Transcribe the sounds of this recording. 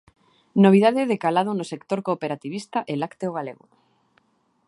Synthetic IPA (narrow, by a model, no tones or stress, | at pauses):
noβ̞iðaðeðekalað̞onosekt̪oɾkoːpeɾat̪iβist̪aʔelakt̪eoɣalḛɣo̰